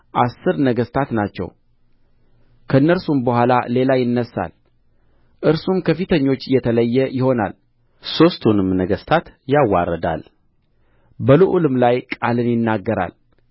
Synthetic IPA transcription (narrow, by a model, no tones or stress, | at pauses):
ʔasːɨɾnəɡəst̪ʰat̪nat͡ʃːɛ̰w | kʰəɨnːəɾsumbəɦʷalale̞lajɪnːəsːa̰l | ʔɨɾsumkʰəfit̪ʰəɲːo̞t͡ʃːjɛt̪ʰələjːɛjɪho̞na̰l | so̞st̪ʰunɨmnəɡəst̪ʰat̪jawːa̰rːəd̪a̰l | bəluʔulɨmlajkʼalɨnjɪnːaɡːəɾa̰l